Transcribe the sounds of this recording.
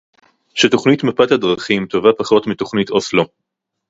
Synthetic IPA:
ʃeto̞χnitmapat̪adʁaχimto̞vapaχo̞tmito̞χnitoslo

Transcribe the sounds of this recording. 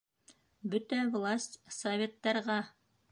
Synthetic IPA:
bɵt̪ævlˠasʲtʲsɐvʲet̪ːɑɾʁɑ

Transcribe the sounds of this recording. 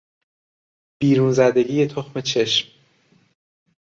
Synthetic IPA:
b̥iːɾunzæd̪e̞ɟiːjet̪ʰoxme̞t͡ʃʰe̞ʃm

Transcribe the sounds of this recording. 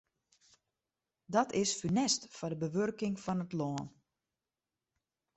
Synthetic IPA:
dɔtʰɪsfynɛstfɔdəbəʋørkɪŋfɔnətlɔːn

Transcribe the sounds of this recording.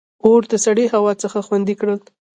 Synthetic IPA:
oɾd̪əsaɽeɦawɑt͡səxaxwand̪ikɽəl

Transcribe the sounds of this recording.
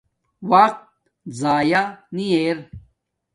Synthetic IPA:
waq̚t̪ | zaːjanieːɾ

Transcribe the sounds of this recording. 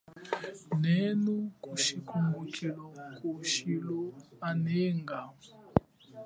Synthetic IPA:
nɛnukʼuʃikʰumbukʰilɔkʰʼuʃilɔanɛːŋɡa

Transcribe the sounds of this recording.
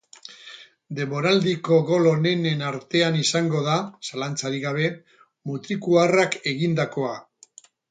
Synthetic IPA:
d̪e̞mbo̞ɾald̪iko̞ɣo̞lo̞ne̞ne̞naɾt̪e̞anisaŋɡo̞ðasalant͡saɾiɣaβ̞e̞ | mut̪ɾikuarake̞ɣind̪ako̞a

